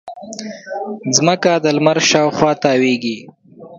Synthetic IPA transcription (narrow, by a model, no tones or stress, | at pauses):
zməkad̪əlmaɾʃɑːwxwɑːt̪ɑːweːɡi